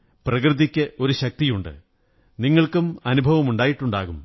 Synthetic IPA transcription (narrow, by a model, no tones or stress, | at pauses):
prɐkrɨd̪ikʲːɨʔo̞ɾuɕɐk̚t̪ijuɳɖɨ̰ | niŋːɐɭkumɐnubʱɐʋɐmuɳɖaːjiʈːuɳɖaːɣum